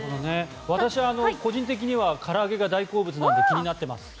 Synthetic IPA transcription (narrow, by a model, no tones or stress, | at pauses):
kod̪one̞ | β̞at̪aɕiβaːno̞ko̞ʑĩnt̪̬e̞k̬ʲiɲ̟iβakʰaɾaːɡe̞ɡad̪aiko̞ːbɯ̟t͡sɨnãnd̪e̞kʲiɲ̟inat̪ːe̞ma̰sɨ̥